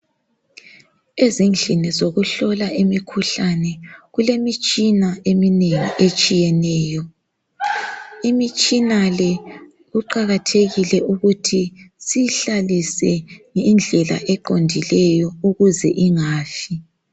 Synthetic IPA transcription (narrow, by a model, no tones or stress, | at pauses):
ezind͡ɮʱinizoɣuɬɔlaʔimikʰuɬanɛɣulemit͡ʃʼinaemineŋiʔet͡ʃʼijɛnɛːjɔ | imit͡ʃʼinalɛ | ɣuǃaɣatʰeɣilɛʔuɣutʰisiɬalisɛŋind͡ɮʱɛla̰ʔɛǃondʱilɛjɔuɣuzɛ̰ʔiŋaːfi